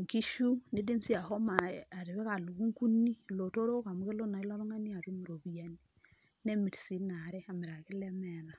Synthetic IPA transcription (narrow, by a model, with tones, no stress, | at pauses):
ŋki˦ʃu˦ne˦de˦msi˦a˨hɔ˦ma˨a˨ɾi˨βɛ˦ka˨lu˨ɡu˦ŋku˦ni˦lo˨to˦ɾo˦ka˨mu˦ke˦lo˦na˨i˦la˦mɔ˦ŋa˦ni˦a˨ɾu˦mu˨ɾo˨βi˦ja˦ni | ne˦mi˨ɾsi˦na˨ɾɛ˦a˨mɪ˨ɾa˨kɪ˦lɛ˦mɛ˨ða˨